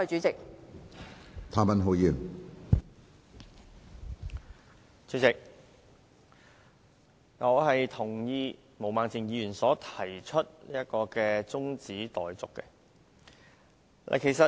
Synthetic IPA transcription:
t͡ʃyː˨˥t͡sɪ˨k̚ | t̪ʰaː˨˧mɐ˨nɦo˨˧˥jyː˨˩n | t͡ʃyː˨˥t͡sɪ˨k̚ | ŋɔː˨˧ɦɐ˨jt̪ʰʊ˨˩ŋjiː˧ | mo˨˩wmaː˨ŋt͡sʰi˨˩ŋjiː˨˧jyː˨˩nsɔː˨˥t̪ʰɐ˨˩jt͡ʃʰɵ˥t̚liː˥jɐ˥t̚kɔː˧kɛː˧t͡sʊ˥ŋt͡siː˨˥t̪ɔː˨jt͡sʊ˨kːɛ̰˧ | lʔa̰˨jkʰe˨˩jsɐ˨

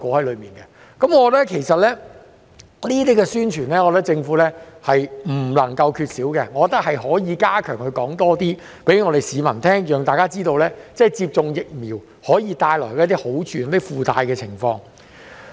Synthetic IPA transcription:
kɔː˧˥hɐ˨˥jlɵ˨˧ɥmiː˨˩nkɛ˧ | kɐ˨˦mŋɔː˨˧kɔ˧˥t̚ɛ˥kʰe˨˩jsɐ˨t̚lɛː˥ | niː˥t̪̬iː˥kɛ˧syː˥nt͡ʃʰyː˨˩nlɛː˥kɔː˨˧˥t̪kt͡sɪ˧ŋfuː˨˥lɛː˥hɐ˨jm̩˨˩lɐ˨˩ŋkɐ˧wkʰyː˧t̚siː˨˥wkɛ˧ŋɔː˨˧kɔ˧t̪ɐ˥k̚hɐ˨jɦɔː˨˥jiː˨˧kaː˥kʰœː˨˩ŋhɵ˧jkɔː˨˥ŋt̪ɔː˥t̪iː˥ | pe˨˥jŋɔː˨˧ɾe˨jsiː˨˧mɐ˨˩nt̪ʰɛː˥ŋjœː˨ŋt̪aː˨kaː˥t͡siː˥t̪o˧wlɛː˥t͡sɛː˥˩t͡siː˧p̚t͡sʊ˧ŋjɪ˨k̚miː˨˩w | hɔː˨˥jiː˨˧t̪aː˧jlɔː˨˩jkɛː˧˥t̪iː˥ho˨˥wt͡ʃʰyː˨˩n˥t̪i˥fuː˨˧t̪a̰ː˧jkɛː˧t͡sʰɪ̰˨˩ŋfɔ̰ː˧ŋ

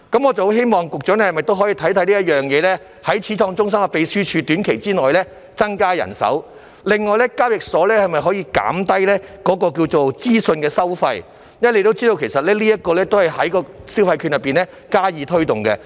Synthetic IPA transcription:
kɐ˨˥mɔ˨˧t͡sɐ˨˩ho˨˥wɦe˥jmɔː˨ŋkʊ˨k̚t͡ʃœː˨˥nɛ˥hjmɐ˨˩jt̪o˥wɦɔ˨˥jiː˧t̪ʰɐ˨˥jt̪ʰɐ˨˥jliː˥jɐ˥jœː˨˩ŋjɛː˨˧lɛː˥ | hɐ˨˥jt͡sʰiː˨˥tʰɔː˧ŋt͡ʃʊ˥ŋs̬ɐ˥mɐ˧pe˨˧jsyː˥t͡ʃʰyː˧t̪yː˨˥nkʰe˨˩jt͡siː˥nɔː˨jlɛː˥ | t͡sɐ˥ŋkaː˥jɐ̰˨˩nsɐ̰˨˥w | lɪ˨ŋːɔː˨jlɛ˥kaː˥p̚jɪ˨k̚sɔː˨˥lɛː˥hɐ˨jmɐ˨˩jɦɔː˨˥jiː˧ka̰ː˨˥mt̪ɐ˥jlɛː˥kɔː˨˥kɔː˧k̬iː˧wt͡so˨˩wt͡siː˥sɵ˧nkɛː˧sɐ˥wfɐ˧j | jɐ˥˨le˧jt̪o˥wt͡siː˥d̪o˧wkʰe˨˩jsɐ˨t̚lɛː˥liː˥jɐ˥t̚kːɔː˧lɛː˥t̪o˥whɐ˨jhɐ˨˥jkɔː˧siː˥wfɐ˧jkʰy˧njɐ˨pːiː˨˩nlɛ˥ | kaː˥jiː˨˧t̪ʰɵ˥ɥt̪ʊ˨ŋkɛ˧

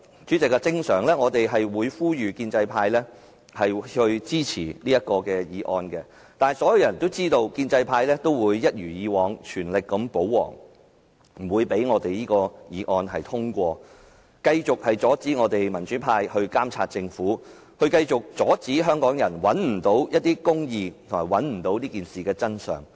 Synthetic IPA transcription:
t͡ʃyː˨˥t͡sɪ˨kːɐ˧t͡sɪ˥ŋsœː˨˩ŋlɛː˥ŋɔː˨˧t̪e˨jɦɐ˨jwuː˨˧jfuː˥jyː˨kiː˧nt͡sɐ˧jpʰaː˧jlɛ˥ | hɐ˨jhɵ˧ɥt͡siː˥t͡sʰḭː˨˩niː˥jɐ˥t̚kɔː˧kɛː˧jiː˨˧ʔɔː˧nkɛ˧ | t̪aː˨nsɔː˨˥jɐ˨˧wjɐ˨˩nt̪o˥wt͡siː˥t̪o˧wkiː˧nt͡sɐ˧jpʰaː˧jlɛː˥t̪o˥wwuː˨˧jːɐ˥t̚jyː˨˩jiː˨˧wɔː˨ŋt͡ʃʰyː˨˩nlɪ˨kːɐ˨˥mpo˨˥wwɔ̰ː˨˩ŋ | m̩˨˩wuː˨˧jpe˨˥jŋɔː˨˧t̪e˨jniː˥kɔː˧jiː˨˧ʔɔː˧nɦɐ˨jt̪ʰʊ˥ŋkʷɔː˧ | kɐ˧jt͡sʊ˨k̚hɐ˨jt͡sɔː˨˥t͡siː˨˥ŋɔː˨˧t̪e˨jmɐ˨˩nt͡ʃyː˨˥pʰaː˧jhɵ˧ɥkaː˥mt͡sʰa̰ː˧t̚t͡sɪ˧ŋfuː˨˥ | hɵ˧ɥkɐ˧jt͡sʊ˨˩k̚t͡sɔː˨˥t͡siː˨˥ɦœː˥ŋkɔː˨˥ŋjɐ˨˩nwɐ˨˥nm̩˨˩t̪o˨˥wjɐ˥t̚t̪iː˥kʊ˥ŋjiː˧t̪ʰʊ˨˩maː˨˩jwɐ˨˥nm̩˨˩t̪o˨˥wliː˥kiː˨nsiː˨˩kɛː˧t͡sɐ˥nsœ̰ː˨˩ŋ

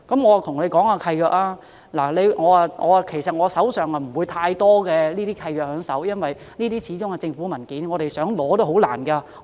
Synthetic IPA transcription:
kɐ˨˥mŋɔː˨˧˨t̪ʰʊ˨˩ŋle˨˧jkɔː˨˥ŋaː˧kʰɐ˧jjœː˧k̚laː˥ | laː˨˩le˨˧jŋɔː˨˧˨ŋɔ̰ː˨˧˨kʰe˨˩jsɐ˨t̚ŋɔː˨˧sɐ˨˥wsœː˨ŋɐ˨m̩˨˩wuː˨˧jt̪ʰaː˧jt̪ɔː˥kɛː˧liː˥t̪iː˥kʰɐ˧jjœː˧k̚hœː˨˥ŋsɐ˨˥wjɐ˥nwɐ˨j | niː˥iː˥t͡sʰiː˨˥t͡sʊ˥ŋkɛː˧t͡sɪ˧ŋfu˨˥mɐ˨˩nkiː˨˥nŋɔː˨˧ɾe˨jsœː˨˥ŋlɔː˨˥t̪o˥ho˨˥wla̰ː˨˩nka˧

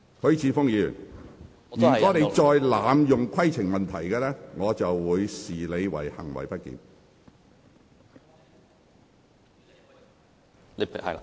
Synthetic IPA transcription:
kʰɵ˨˥ɥt͡sʰiː˨˧fʊ˥ŋjyː˨˩˨n | jy˨kɔː˨˥ne˧t͡ʃɔː˧jlaː˨mjʊ˨˩ŋkʷʰɐ˥jt͡sʰɪ˨˩ŋmɐ˨nt̪ʰɐ˨˩jkɛː˧lɛː˥ŋɔː˨˧t͡sɐ˨wːuː˨˧jsiː˨le˨˧jwɐ̰˨˩jhɐ̰˨˩ŋwɐ̰˨˩jpɐ˥t̚kḭː˨n

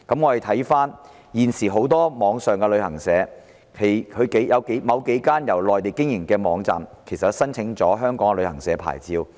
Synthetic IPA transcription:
kɐ˨˥mŋɔː˧e˨˩jt̪ʰɐ˨˥jfaː˥n | jiː˨˩nsiː˨˩ɦo˨˥wt̪ɔː˥mɔː˨˧˥ŋsœː˨ŋkɛ˧lɵ˨˧ɥhɐ˨˩ŋsɛː˨˧˥ | kʰe˨˩jkʰɵ˨˧ɥke˨˥jjɐ˨˧wke˨˥jmɐ˨˧wke˨˥jkaː˥njɐ˨˩wlɔː˨jt̪e˨jkɪ˥ŋjɪ˨˩ŋkɛː˧mɔː˨˧ŋt͡sa̰ː˨mkʰe˨˩jsɐ˨tsɐ˥nt͡sʰɪ˨˥ŋt͡sɔː˨˥ɦœː˥ŋkɔː˨˥ŋ˧lɵ˨˧ɥhɐ˨˩ŋsɛː˨˧˥pʰa̰ː˨˩jt͡siː˧w

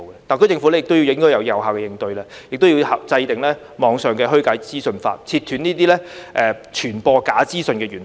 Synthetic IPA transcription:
kɛ˧t̪aː˨nkɵ˨˧˥t͡sɪ˧ŋfu˨˥lɛ˥jɪ˨k̚t̪wji˧jɪ˨˥ŋkɔː˥jɐ˨˧wjɐ˨˩wɦaː˨wkɛː˧jɪ˨˧ŋt̪ɵ˧ɥlaː˧ | jɪ˨k̚t̪o˥wjiː˧ha˨t͡sɐ˧jt̪ɪ˨˩ŋlɛː˥ | mɔː˨˧ŋsœː˨˩ŋkɛː˧ɦɵ˥kaː˨˥jt͡siː˥sɵ˧nfa̰ː˧t̚t͡sʰiː˧t̪ʰyː˨˥niː˥t̪iː˥lɛː˥ʔɛː˧t͡ʃʰyː˨˩npɔː˧kaː˨˥t͡siː˥sɵ˧nkɛː˧ɥyː˨˩n

